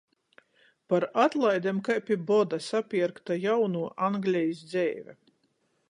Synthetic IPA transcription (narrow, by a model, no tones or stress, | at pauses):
paɾat̪lˠajd̪ʲɛmkajpʲibɔd̪asapʲiɛɾkt̪ajawnuːʔaŋɡlʲɛjisd̪zʲɛ̰ːvʲɛ̰